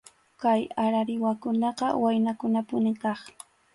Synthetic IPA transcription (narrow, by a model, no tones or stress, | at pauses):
kajaɾaɾɪwakʊnɑqɑwajnakʊnapʊnɪkɑχ